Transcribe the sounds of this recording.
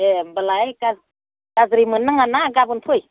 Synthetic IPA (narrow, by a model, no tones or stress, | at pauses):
ebəlaeka | kazɾimənːaŋanaɡabunpʰuj